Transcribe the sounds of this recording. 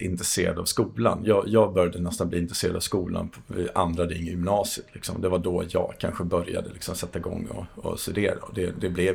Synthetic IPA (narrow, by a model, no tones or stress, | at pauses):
ɪnt̪ɾɛseːɾad̪avskuːla̰njɑːjɑːɡbœɾjad̪ənɛst̪anbliːɪnt̪ɾɛ̥seːɾad̪avskuːla̰npʰɔɪʔand̪ɾad̪ɪɪŋːjʏmnɑːsɪət̪lɪksɔmɔd̪ɛvaɖɔjɑ̰ːɡkʰanɧəbœɾja̰d̪əlɪksɔmsɛt̪ːaɪɡɔ̰ŋːɔ̰ɔ̰st̪ɵd̪eːɾaɔd̪ɛd̪ɛblɛ